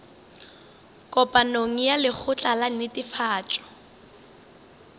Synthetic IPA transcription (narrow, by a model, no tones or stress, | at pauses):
kʼɔpʼanoŋ̩jalɪk͡xʰʊt͡ɬʼalanɪtʼɪfaːt͡ʃʼɔ̥